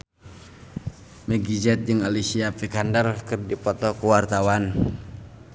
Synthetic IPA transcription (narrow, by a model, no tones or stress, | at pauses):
mɛɡid͡ʒɛt̪̚d͡ʒɨŋalisiapikandərkɨrdipɔt̪ɔkuwart̪awan